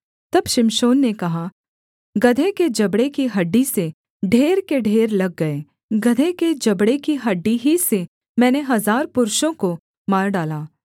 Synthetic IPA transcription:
t̪ɐbʃɪmʃoːnːekɐɦa | ɡɐd̪ʱeked͡ʒɐbɽekiɦɐɖːise | ɖʱeːɾkeɖʱeːɾlɐɡːɐeː | ɡɐd̪ʱeked͡ʒɐbɽekiɦɐɖːiɦise | mɛ̃ːneɦɐzaːɾpʊɾʃõko | maːɾɖaːlaː

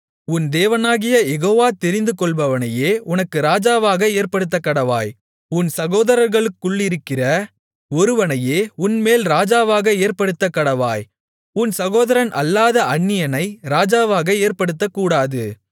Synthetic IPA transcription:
ʊnd̪eːʋɐnaːɣɪjɐjɛɣoːʋaːt̪ɛɾɪnd̪ɯkɔɭbɐʋɐnɐjeːʊnɐkːɯɾaːd͡ʒaːʋaːɣɐeːɾpɐɽɯt̪̬ːɐkːɐɽɐʋa̰ːj | ʊnsɐɣoːðɐɾɐɾɣɐɭɯkːʊɭːɪɾɯkːɪrɐ | ɔɾɯʋɐnɐjeːʊnmeːlɾaːd͡ʒaːʋaːɣɐeːɾpɐɽɯt̪ːɐkːɐɽɐʋaːj | ʊnsɐɣoːðɐɾɐnʔɐlːaːðɐɐɳːɪjɐnɐɪɾaːd͡ʒaːʋaːɣɐeːɾpɐɽɯt̪̬ːɐkːuːɽaːðɯ

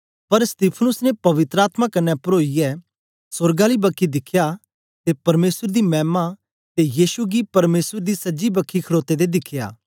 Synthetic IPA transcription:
pɐɾst̪iːpʰənʊsnepɐʋɪt̪ɾəaːt̪makɐnːɛpɾoːijɛ | sʊɾɡãlibɐkʰːid̪ɪkʰja | t̪epɐɾmeːsɾd̪imɛ̃ːma | t̪ejiːsuɡipɐɾmeːsəɾd̪isɐd͡ʒibɐkʰːikʰɐɽoːt̪ed̪ed̪ɪkʰja̰ː

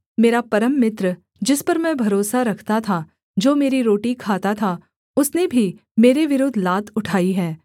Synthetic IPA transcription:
meːɾapɐɾəmːɪt̪ɾə | d͡ʒɪspɐɾmɛ̃bʱɐɾoːsaɾɐkʰt̪at̪ʰa | d͡ʒoːmeːɾiɾoːʈikʰaːt̪at̪ʰa | ʊsnebʱi | meːɾeʋɪɾʊːd̪ʱlaːt̪ʊʈʰaːiɦɛː

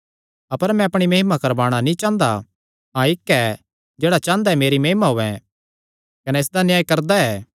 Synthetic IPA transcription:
ɐpəɾmɛ̃ɐpɽ̃imɐɦɪmakɐɾbaːɽ̃anĩt͡ʃãːnd̪a̰ | ɦãɪkːɛ | d͡ʒeːɽat͡ʃãːnd̪aɛmeːɾimeɦmaɦoːɛ̃ | kɐnɛɪs̬d̪anɪjaːikɐɾd̪aɛː

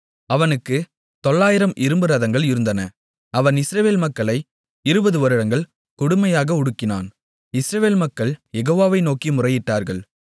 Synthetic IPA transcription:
ɐʋɐnɯkːɯ | t̪ɔɭːaːjɪɾɐmʔɪɾɯmbɯɾɐðɐŋɡɐɭɪɾɯnd̪ɐnɐ | ɐʋɐnɪsɾɐʋeːlmɐkːɐɭɐɪ | ɪɾɯbɐðɯʋɐɾɯɽɐŋɡɐɭ | kʊɽʊmɐjaːɣɐʊɽɯkːɪna̰ːn | ɪsɾɐʋeːlmɐkːɐɭjɛɣoːʋaːʋɐɪnoːkimʊrɐjɪʈːaːɾɣɐɭ

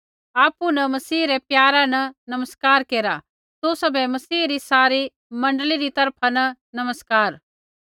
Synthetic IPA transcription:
aːpunɐmɐsiːɾepjaːɾanɐnɐməskaːɾkeːɾa̰ | t̪osɐbɛmɐsiːɾisaːɾi | mɐ̃ɳɖəliɾit̪ɐɾpʰanɐ | nɐməskaːɾ

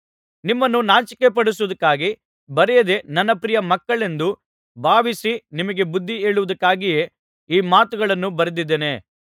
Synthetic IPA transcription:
nimːɐnːunaːt͡ʃi̥kepɐɽusuʋud̪ɐkːaːɡi | bɐɾɛjɐd̪e̞nɐnːɐpɾijɐmɐkːɐɭe̞nd̪u | bʱaːʋisinimɐɡe̞bud̪ʱːieːɭuʋɐd̪ɐkːaːɡije̞ː | iːmaːt̪uɡɐɭɐnːubɐɾed̪id̪ːene̞

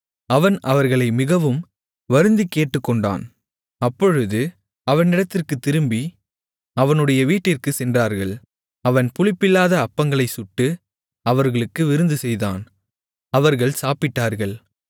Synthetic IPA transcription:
ɐʋɐnʔɐʋɐɾɣɐɭɐɪmɪɣɐʋɯm | ʋɐɾɯnd̪ikːeːʈːɯkːɔɳɖa̰ːn | ɐpːɔɻɯðɯ | ɐʋɐnɪɽɐt̪ːɪrkɯt̪ːɪɾɯmbi | ɐʋɐnɯɽɐjɐʋiːʈːɪrkɯsɛndraːɾɣɐɭ | ɐʋɐnpʊɭɪpːɪlːaːðɐːpːɐŋɡɐɭɐɪsʊʈːɯ | ɐʋɐɾɣɐɭɯkːɯʋɪɾɯnd̪ɯsɛjða̰ːn | ɐʋɐɾɣɐɭsaːpɪʈːaːɾɣɐɭ

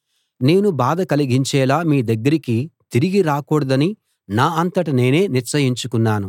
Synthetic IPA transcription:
ne̞ːnubaːd̪ɐkɐliɡiɲt͡ʃɛːlaːmiːd̪ɐɡːɐɾikit̪iɾiɡiɾaːkɔːɽɐd̪ɐni | naːɐnt̪ɐʈine̞ːne̞ːniɾt͡ʃɐjiɲt͡ʃukunːaːnu

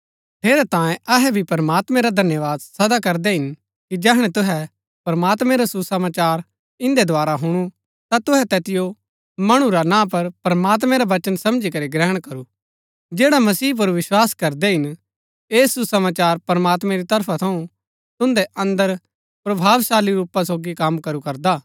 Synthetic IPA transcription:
ʈʰeːɾɛt̪ãːjẽʔɐɦɛbʱipɐɾmaːt̪mɛ̃ɾad̪ʱɐnjəʋaːd̪sɐd̪akɐɾd̪ɛɦɪn | kid͡ʒɛːɦɽ̃ɛ̃t̪ʊɦɛ | pɐɾɐmaːt̪mɛ̃ɾasusɐmaːt͡ʃaːɾ | ɪ̃nd̪ɛd̪ʱʋaːɾaɦʊɽ̃u | t̪at̪ʊɦɛt̪ɛːt̪ɪjo | mɐɽ̃ũɾanãːp̬ɐɾpɾɐmaːt̪mɛ̃ɾaʋɐt͡ʃənsɐmd͡ʒikɐɾiɡɾɛːəɽ̃kɐɾu | d͡ʒeːɽamɐsiːp̬ʊɾʋɪswaːskɐɾd̪ɛɦɪn | eːsusɐmaːt͡ʃaːɾpɐɾɐmaːt̪mɛ̃ɾit̪ɐɾpʰat̪ʰɐũ | t̪ʊ̃nd̪ɛʔɐ̃nd̪əɾ | pɾɐbʱaːʋsaːliɾuːpːasoːɡikɐmkɐɾukɐɾd̪aː

